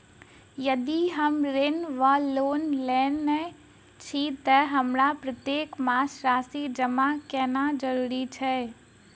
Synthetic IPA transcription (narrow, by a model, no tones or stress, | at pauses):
jəd̪iɦəmɾenʋəloːnlɛːnːɛ | t͡ʃʰit̪əɦəmɾapɾət̪jeːkmaːsɾaːsid͡ʒəmakɛːnad͡ʒəɾuːɾit͡ʃʰɛː